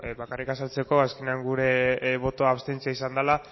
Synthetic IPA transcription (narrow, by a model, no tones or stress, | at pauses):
βakarikasalt͡se̞ko̞aske̞neaŋɡuɾe̞βo̞t̪oaβst̪ent͡siaisand̪ala